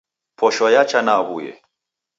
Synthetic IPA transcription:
pʰɔʃɔjat͡ʃanaɣujɛ̰

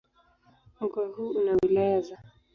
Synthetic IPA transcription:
m̩kwahuunawilajaza

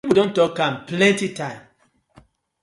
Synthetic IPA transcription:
ipudõntɔkãmplɛ̃ntitãɪ̃m

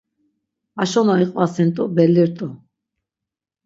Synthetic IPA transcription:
aʃɔnaiqʼvasint̪ʼubɛliɾt̪ʼu

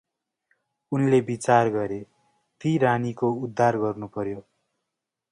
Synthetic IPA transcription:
unlebit͡sarɡʌɾe | t̪iɾanikoud̪ʱːarɡʌrnupʌɾjo

